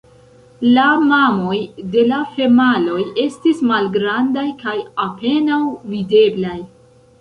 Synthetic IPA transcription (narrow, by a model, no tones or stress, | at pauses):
lamamo̞jde̞lafe̞malo̞je̞stismalɡɾandajkajape̞nawvide̞blaj